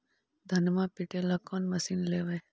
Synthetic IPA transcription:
d̪ʱɐnmãːpiʈeːlaːkoːnmɐsiːnleːʋɐj

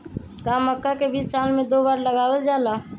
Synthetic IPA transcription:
kaːməkːakebiːsːaːlmẽd̪oːbaːɾləɡaːwəld͡ʒaːlaː

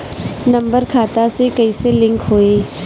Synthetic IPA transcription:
nɐ̃mbəɾkʰaːt̪asekɐiselɪ̃ŋkɦoːeː

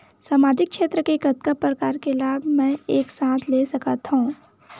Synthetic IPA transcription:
saːmaːd͡ʒɪk̚ʃeːt̪ɾəkekɐt̪kəpːɾəkaːɾkelaːbʱmɛ̃eːksãːt̪ʰleːsɐkat̪ɦũː

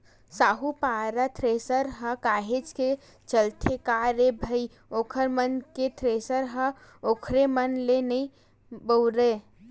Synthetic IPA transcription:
saːɦupaːɾat̪ʰɾeːsəɾɦə̃kaːɦed͡ʒke | t͡ʃəlt̪ʰekaɾebʱəi | oːkʰəɾmənket̪ʰɾeːsəɾɦə̃ | oːkʰɾemənlenəĩ | bəʊɾe

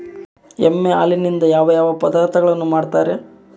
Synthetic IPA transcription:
emːea̰ːlinind̪ɐjaːʋɐjaːʋɐpɐd̪aːɾt̪ʰɐɡɐɭɐnːumaːɖt̪aːɾe̞

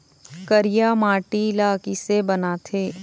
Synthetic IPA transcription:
kəɾɪjamaːʈilaːkisebɐnaːt̪ʰeː

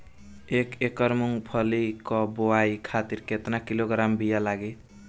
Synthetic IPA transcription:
ekekəɾmuŋɡpʰʌlikɔbowajkʰat̪iɾket̪nakiloɡɾambijalaɡe

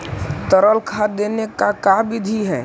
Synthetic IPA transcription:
t̪əɾəlkʰad̪enekakabɪd̪ʱiɦɛː

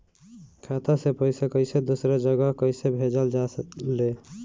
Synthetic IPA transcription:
kʰat̪asepəɪsekəɪsed̪usɾed͡ʒəɡəɦkəɪsebʱed͡ʒəld͡ʒasle

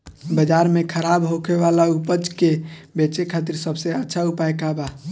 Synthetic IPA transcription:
bəd͡ʒaɾmekʰəɾabɦokʰeʋalaupəd͡ʒkebet͡ʃekʰat̪iɾsəbsẽətːʃʰaupajkaba

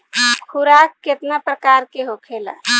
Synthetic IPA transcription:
kʰuɾakːet̪napɾəkaːɾkeɦokʰela̰

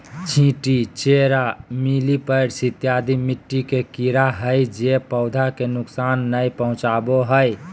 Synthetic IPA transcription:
t͡ʃʰĩʈit͡ʃeɾamilipəɾsit̪jad̪ʱimiʈːikekiɾaɦəjd͡ʒepəʊd̪ʱakenʊksaːnːəjpəɦʊ̃t͡ʃaboɦəj

